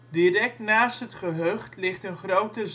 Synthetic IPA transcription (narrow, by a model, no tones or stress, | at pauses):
dirɛk̚tnaːstɦətχəɦøχtlɪχtənχrowtəz